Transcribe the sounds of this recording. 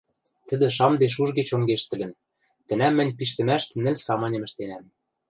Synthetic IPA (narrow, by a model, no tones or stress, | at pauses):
t̪ɘ̆d̪ɘ̆ʃɑmd̪eʃ̬uʒɡĕt͡ɕoŋɡeʃt̪ɘ̆lɘ̆n | t̪ɘ̆næmːɘ̆nʲpiʃt̪ɘ̆mæʃt̪ɘ̆nɘ̆lʲsɑmɑnʲɤ̆mɘ̆ʃt̪enæm